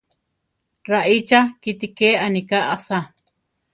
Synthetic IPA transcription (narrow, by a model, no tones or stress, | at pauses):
ɾaʔit͡ʃakit̪ikeːanikaʔasa